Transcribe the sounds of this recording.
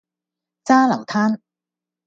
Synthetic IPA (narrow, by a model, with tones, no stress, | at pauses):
t͡saː˥lɐ˨˩wt̪ʰaː˥n